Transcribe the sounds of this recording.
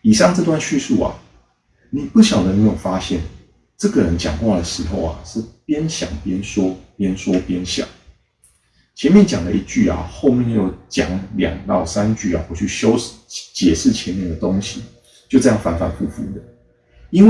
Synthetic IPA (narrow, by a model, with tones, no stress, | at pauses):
i˨˩ʂɑ˥˧ŋʈ͡ʂɤ˥˧t̪̬wa˥˧nɕy˥˧su˥˩a̰˨˩ | ni˨˩pu˥˩ɕjɑ˨˩ʊd̪ə˨˩me˧˥jo˨˩fa˦˥ɕjɛ˥˩n | ʈ͡ʂɤ˥˨˩ɡə˨˩ɻə˧˦nt͡ɕjɑ̰˨˩ŋkwa˥˩d̪ə˩ʂɻ̩˧˥˦xo˥˧ʊa̰˩ʂɻ̩˥˩pjɛ˥nɕjɑ̰˨˩ŋpjɛ˦nswɔ˥pjɛ˥nswɔ˥pjɛ˥nɕjɑ̰˨˩˦ŋ | t͡ɕʰjɛ˧˦nmjɛ˥˨nt͡ɕjɑ˨˩ŋd̪ə˦ʔi˥˩t͡ɕy˥˩a̰˨xo˥˧ʊmjɛ˥˨˧ŋjjo˧˥ʊt͡ɕjɑ̰˨˩˦ŋljɑ̰˨˩ŋt̪ɑ˥˨˩ʊsa˦nt͡ɕy˥˩a̰˨˩xwɔ˥˩t͡ɕʰy˥˩ɕjo˥ʊt͡ɕjɛ˨˩ʂɻ̩˥˩t͡ɕʰjɛ˧˦nmjɛ˥˩nd̪ə˩t̪o˥ŋɕi˨ | t͡ɕjo˥˧ʊʈ͡ʂɤ˥˧jɑ˥˩ŋfa˧˥nfa˨˧˩pʰu˥˩fu˥˩d̪ə˩˦ | i˥nwe˥